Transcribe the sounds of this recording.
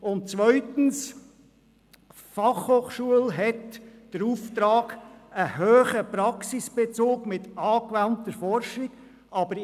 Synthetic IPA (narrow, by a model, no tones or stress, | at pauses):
ʊnt̚t͡sʋœʏtn̩s | fɑχhoːχʃuəlɦɛtd̥əɾuftɾɑːɡəɦøːχəpɾɑksisb̥et͡soːkmɪtɑːkʋæntəɾfɔɾʃiɡ̥ | ɑb̥əɾ